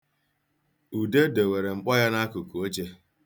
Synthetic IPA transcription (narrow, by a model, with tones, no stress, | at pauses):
u˨de˦de˨we˨ɾe˨ŋ͡m̩˦k͡pɔ˦ja˦na˦kʊ˨ku˨o˦d͡ʒe˦